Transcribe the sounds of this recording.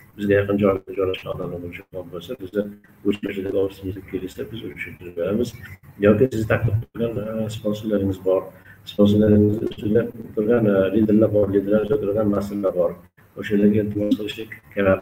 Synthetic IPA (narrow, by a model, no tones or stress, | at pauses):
bɪzɡʲajɑqɨnd͡ʒɒjlɪk̚ʲnad͡ʒɒjlaʃkʲaɒd̪amlabolˠɪʃaɒbolsabɪzɪ | ɡɵt͡ʃpaʃɪd̪aɡʲɪɒʁɾsɪmet̪ʰɪp̚kʲʰelɪʃsabɪzʊt͡ʃʃap̚t̪ʰɪɾɪp̚be̞ɾamɪzjɒwkʲɪsɪzɪt̪ʰakt̪ɨp̚t̪ʰʊɡʲansponsʊlːaɾɪŋɪzbɒɾsponsulːaɾɪŋɪzd̪ɪst̪ʊjlat̪ʰːʊɾɡʲanlind̪ɪɾlaɾbɒɾlind̪ɪɾlaɾd͡ʒ̪ot̪ʊɾɡʲanmasɪllaɾbɒɾ | oʃalaɡʲaɪlt̪ʰɪmɒsqʰɨlˠɪʃlɪkʲʰeɾap